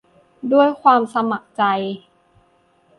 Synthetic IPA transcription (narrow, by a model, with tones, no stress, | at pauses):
du˥˩əjkʰwaː˧msa˧ma˨˩k̚t͡ɕa˧j